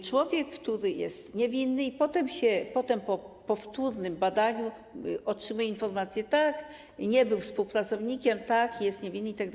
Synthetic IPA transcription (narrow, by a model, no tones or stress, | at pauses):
t͡ʂwɔvʲjɛkːt̪uɾɘjɛ̰st̪ɲɛvʲinːɘipɔt̪ɛmɕɛpɔt̪ɛmpɔpɔft̪uɾnɘmbad̪aɲu | ɔtʂɘmujɛinfɔɾmat̪sʲjɛt̪ak | ɲɛbɘwfspuwpɾat̪sɔvɲikʲɛmt̪akjɛst̪ɲevʲinːɘit̪aɡd̪